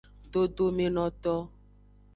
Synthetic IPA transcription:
ɖo˦ɖo˦me˨nɔ̃˨t̪ɔ˦

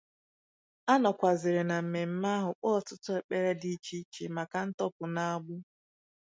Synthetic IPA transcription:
a˦nɔ˨kʷa˨zɪ˨ɾe˨na˨m̩˨me˨m̩˨ma˦ɦʊ˨k͡pɔ˦˨tʊ˦tʊ˦e˨k͡pe˦ɾe˦di˦t͡ʃi˦t͡ʃi˦ma˨ka˨n̩˦tɔ˦pʊ˨na˦a˦˨ɡ͡bʊ˦

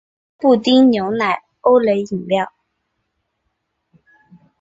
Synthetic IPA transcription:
pu˥˩t̪i˥ŋnjo˧˥ʊna˨˩ɪ | o˥ʊle˧˥ɪi˨˩ŋljɑ˥˩ʊ

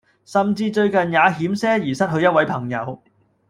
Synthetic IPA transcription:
sɐ˨mt͡siː˧t͡ʃɵ˧ɥkɐ˨njaː˨˧ɦiː˨˥msɛː˥jiː˨˩sɐ˥t̚ɦɵ˧ɥjɐ˥t̚wɐ˧˥jpʰɐ˨˩ŋjɐ̰˨˧w

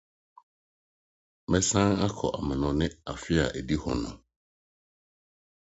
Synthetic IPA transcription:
mɛ̃˦sã˦a˦kʰɔ̰˨ʔa˨mã˨nʊ̃˨nɪ̃˦a˨fɪ˦a̰˨ʔæ˨di˦hʊ̰̃˨nʊ̰̃˨

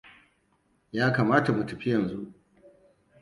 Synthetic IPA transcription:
jaː˦kaː˨maː˦ta˨mu˨tɐ˨ɸi˦jɐ˨nzu˦ʔ

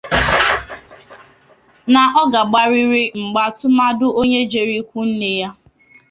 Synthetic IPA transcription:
na˨ʔɔ˦ɡa˨ɡ͡ba˨ɾi˦ɾi˦ŋ͡m̩˨ɡ͡ba˨tʊ˦ma˦dʊ˦o˦ɲe˦d͡ʒe˨ɾi˦kʷu˦n̩˦ne˨ja˦

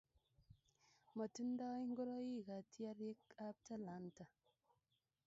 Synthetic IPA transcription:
ma˨tu˦n˦da˦i˦ŋ˦ɡo˦ɾo˦ji˦˨ka˨ti˦a˦ɾje˦ka˦p̚ta˦la˨˦nta˨

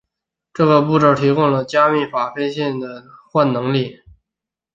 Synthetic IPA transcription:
ʈ͡ʂɤ˥˩ɡə˩pu˥˧ʈ͡ʂɤ˥˩ʊt̪ʰi˧˥kʊ˥ŋlə˨t͡ɕja˥mi˥˩fa˨˩fɛ˥nɕjɛ˥˩nd̪ə˩xwa˥˩nnɤ˧˥ŋli˥˩

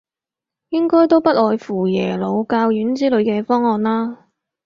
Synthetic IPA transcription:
jɪ˥ŋkɔː˥jt̪o˥wpɐ˥t̚ʔɔː˨jfuː˨˩jɛː˨˩lo˨˧wkaː˧wjyː˨˥nt͡siː˥lɵ˨˧ɥkɛː˧fɔː˥ŋːɔː˨˧nlaː˥

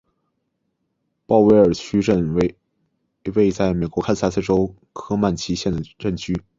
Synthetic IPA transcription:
pɑ˥˩˧ʊwe˧˥ɪə˞˨˩t͡ɕʰy˥ə˥˧n | we˥˧ɪt͡sa˥˩ɪme˨˩ɪkwɔ˧˥kʰa˥s̩˥a˥sʰɛ˥˩ʈ͡ʂo˥ʊ | kʰɤ˥ma˥˩nt͡ɕʰi˧˥ɕjɛ˥˩nd̪ə˩ɻə˥˩nt͡ɕʰy˥

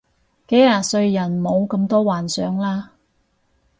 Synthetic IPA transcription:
ke˨˥jaː˨˧t̚sɵ˧ɥjɐ˨˩nmo˨˧wkɐ˧mt̪ɔː˥waː˨˩nsœː˨˥ŋlaː˥

